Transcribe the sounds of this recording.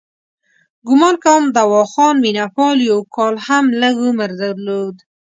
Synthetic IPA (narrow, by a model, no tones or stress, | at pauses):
ɡʊmɑnkawmd̪awɑxɑnminapɑljawkʰɑlhamləɡuməɾd̪aɾlod̪